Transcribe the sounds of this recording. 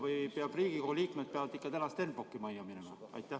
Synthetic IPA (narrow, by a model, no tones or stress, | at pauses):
vɯjpeɑb̥riːɡ̥ikohliːkmet̪̚peɑvɑd̪ikːɑt̪ænɑst̪e̞nbokːˑimɑjːɑminemɑɑ̰jt̪ːˑæ